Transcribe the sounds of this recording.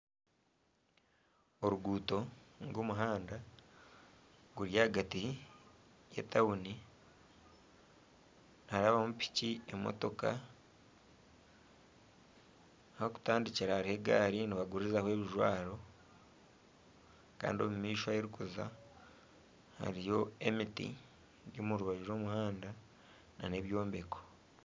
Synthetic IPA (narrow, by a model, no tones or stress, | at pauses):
o̞ɾuɡuːto̞ŋɡomuɦaːnda | ɡuɾjaɡati | jḛtʰauni | nhaɾaːβamupi̥ciemo̰to̞ka̰ | hoku̥taːndiciɾahaɾihe̞ɡa̰ːɾiniβaɡuɾizahwe̞ːβiʒwa̰ːɾo̞ | ka̰ːndio̞mumiːʃwajeɾikuza̰ | ha̰ɾijo̞e̞mitḭ | ɟomuɾuβaɟiɾo̞ːmuhaːnda | na̰ne̞βjo̞ːmbe̞ko̥